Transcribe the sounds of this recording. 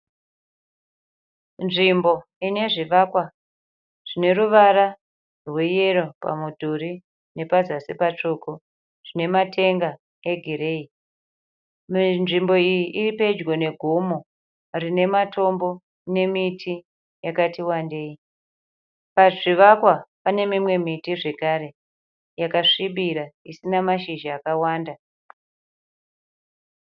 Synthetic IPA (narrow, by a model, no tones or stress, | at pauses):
nʐimbo̞ | ine̞ʐiʋakwa | ʐ̥ine̞ɾuʋaɾa | rweje̞ro̞pa̰mudʱuri | ne̞pazasepat͡ʂoko | ʐ̥ine̞matʰe̞ŋɡa | eɡʱiɾei | nʐimbo̞ijiʔiripe̞d͡ʒɡone̞ɡʱumo | rine̞mato̞mbo̞ | ne̞mitʰi | jakatiwande̞ːi | paʐiʋakwapane̞mimwe̞mitiʐe̞kaɾe̞ | jakaʂiɓiɾaisinamaʃiʒiakawaːnda